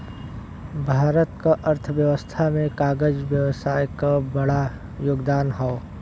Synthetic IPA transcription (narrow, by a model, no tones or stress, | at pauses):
bʱaːɾət̪kaʔəɾt̪ʰʋjəʋəst̪ʰamẽkaːɡəd͡ʒʋjəʋsaːjkabɐɽa | joːɡd̪aːnɦɔ